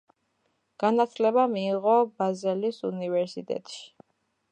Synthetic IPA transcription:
ɡ̥anat̪ʰlɛβamiːʁɔbazɛlisṵnivɛɾsit̪ʼɛ̰t̪ʼʃi̥

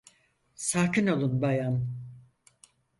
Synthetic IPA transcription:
saːkino̞lˠunbajan

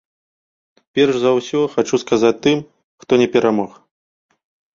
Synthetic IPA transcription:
pʲɛrʂzawsʲɔxat͡ʂuskazat͡s̚ʲt̪ɨm | xt̪ɔnʲɛpʲɛɾamɔx

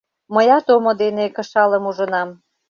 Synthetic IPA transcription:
məjɑt̪omod̪enekə̆ʃɑləmuʒə̆nɑm

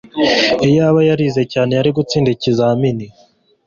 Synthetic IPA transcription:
ijaːβajaɾiːze̞caːne̞jaɾiɡut͡siːndicizaamini

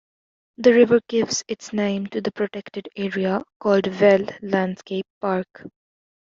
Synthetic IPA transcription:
d̪əɾɪʋəɾɡ̥ɪʋz̥ɪʈsnẽɪ̃mʈud̪əpɾoʈɛkʈɪɖeːɾiakɔːlɖʋɛlːæ̃ɳɖskeɪpːaːɾk

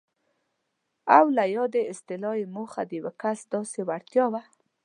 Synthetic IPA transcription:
awlajɑd̪eɪst̪ɪlɑjemoxad̪əjwakasd̪ɑsewaɽt̪jɑwa

